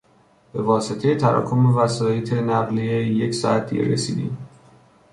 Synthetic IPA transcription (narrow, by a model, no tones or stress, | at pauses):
b̥e̞vɒːse̞t̪ʰe̞je̞t̪ʰæɾɒ̰ːkʰomevæsɒːjet̪ʰe̞næɣlieje̞csɒːæt̪̚d̪ḭɟḛɾḛsḭːd̪ḭːm